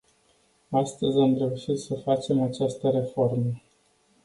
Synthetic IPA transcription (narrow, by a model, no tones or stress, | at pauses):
ast̪əzʲamre̞uʃit̪səfat͡ʃe̞mat͡ʃast̪əɾe̞fo̞rmə